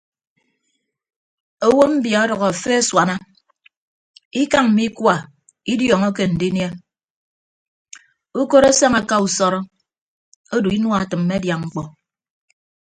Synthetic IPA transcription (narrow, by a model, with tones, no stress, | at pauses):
o˨wo˦m̩˦bja˨ɔ˦dɔ˨ɣɔ˨a˨fe˦swa˨na˦ | i˦ka˦ŋm̩˨mi˦kwa˨ | i˦djɔ˨ŋɔ˦ke˨n̩˨di˦nje˦ | u˦ko˦ɾo˦sa˦ŋa˨ka˦u˨sɔ˦ɾɔ˦ | o˦du˨i˦nwa˨tɨ˨m̩ː˦e˦dja˨ŋ͡m̩˦k͡pɔ˨